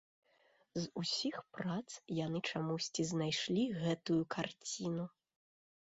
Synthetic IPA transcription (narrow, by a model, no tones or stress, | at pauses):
zusʲixpɾat̪sjanɨt͡ʂamusʲt͡sʲiznajʂlʲiɣɛt̪ujukʰart͡sʲinu